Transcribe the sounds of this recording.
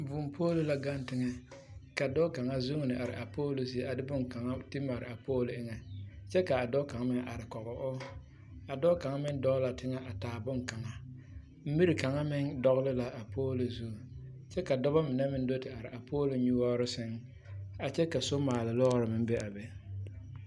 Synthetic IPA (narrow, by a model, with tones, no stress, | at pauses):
vʊ˨mpʰoː˦lʊ˦la˦ɡa˦n˦tɪ˦ŋɛ˦ka˨dɔ˦ka˨ŋa˦zu˦ŋ˨nɪ˨ʔa˨ɾɪ̰˨ʔa˨pʰoː˦lo˨s̬i˨a˨dɪ˦bʊ˦ŋka˨ŋa˦ti˦ma˨ɾɪ̰˨a˨poː˦lʊ˨ɪ˦ŋɛ˨t͡ʃɛ˦ka˨a˨dɔ˦ka˨ŋa˦mɪ˦ʔa˨ɾɪ˨kɔ˨ɣɔ˨ʔʊ˦ | a˨dɔ˦ka˨ŋa˦mɪ˦ndɔ˦la˨tɪ˦ŋɛ˦ʔa˨taː˨bʊ˦ŋka˨ŋa˦ | m̩˦mi˦ɾi˨ka˨ŋa˦mɪ˦ŋdɔ˦ɣlɪ˦la˨ʔa˨pʰoː˦lo˨zu˦˨ | t͡ʃɛ˦ka˨dɔ˦ba˦mɪ˨nɛ˦mɪ˦n˦do˦tɪ˨a˨ɾɪ̰˨a˨pʰoː˦lo˨ɲu˦wɔː˦ɾɪ˦sɪ˦ŋ | a˨t͡ʃɛ˦ka˨so˦maː˨lɪ˨lɔ˦ɾɪ˨mɪ˦m˦bɛ˦ʔa˨bɛ˦